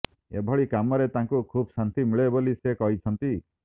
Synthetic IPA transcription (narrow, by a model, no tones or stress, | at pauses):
ḛbʱɔɭikamɔɾet̪ãŋkukʰubsant̪imiɭebolisekɔɦit͡ʃʰɔnt̪i